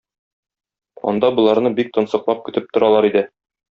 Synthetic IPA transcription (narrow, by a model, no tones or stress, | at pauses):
ɒ̰nd̪ɑbŏlˠɑɾnɤbik̚t̪ɤ̆nsɤ̆qlˠɑp̚kɵ̆t̪ɘp̚t̪ŏɾɑlˠɑɾid̪ɘ